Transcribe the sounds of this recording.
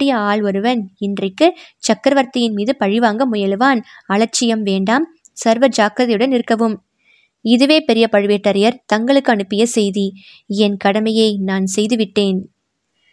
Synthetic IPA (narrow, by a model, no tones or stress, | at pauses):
ɪjɐaːɭɔɾɯʋɐnɪndrɐkːɯt͡ʃɐkːɐɾɐʋɐɾt̪ːɐjɪnmiːðɯpɐɻɪʋaːŋɡɐmʊjɐlɯʋaːnɐɭɐɾt͡ʃːɪjɐmʋeːɳɖaːm | sɐɾʋɐd͡ʒaːkɾɐðɐɪjɯɽɐnɪɾɯkːɐʋɯm | ɪðɯʋeːpɛɾɪjɐpɐɻɯʋeːʈːɐɾɐjɐɾt̪ɐŋɡɐɭɯkːɯɐɳɯpːɪjɐsɛjði | ɛnkɐɽɐmɐjɐɪnaːnsɛjðɯʋɪʈːeːn